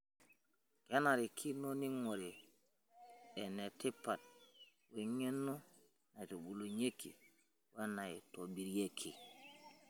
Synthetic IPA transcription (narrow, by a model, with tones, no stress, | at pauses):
ke˦na˨ɾi˨kʰi˦no˦ni˦ŋo˨ɾe˨ | e˨ne˨ti˦pa˨t̚ | we˨ŋe˦nːo˦ | na˨to˨ɓu˨lo˨ɲe˦kːḭ˨ | we˦na˨i˨to˨bi˨ɾje˦kʰi˨